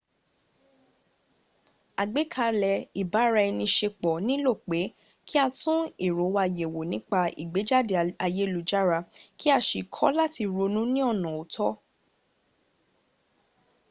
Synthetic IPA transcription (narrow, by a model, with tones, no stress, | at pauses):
a˨ɡ͡be˨˦kʰa˧lɛ˧˨i˨ba˨˦ɾa˧ɛ˧nĩ˧ʃe˧k͡pɔ˨nĩ˦lo˦˨k͡pe˨˦ | ki˦a˧tũ˦e˦˨ɾo˨˦wa˧je˨wo˨nĩ˨˦k͡pa˧ḭ˨ɡ͡be˨˦d͡ʒa˦˨de˧a˧je˦lu˨˦d͡ʒa˦ɾa˧ki˦a˧ʃi˧˨kʰɔ˦la˦ti˧ɾo˧nũ˦nĩ˦ɔ˦˨nã˨o˨tʰɔ˦